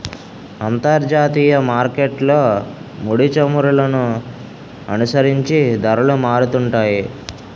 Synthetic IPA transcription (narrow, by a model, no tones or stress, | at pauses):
ɐnt̪ɐɾd͡ʒaːt̪iːjɐmaːɾkeʈlo̞ːmuɽit͡ʃɐmuɾulɐnu | ɐnusɐɾiɲt͡ʃid̪ɐɾɐlumaːɾut̪uɳʈaːji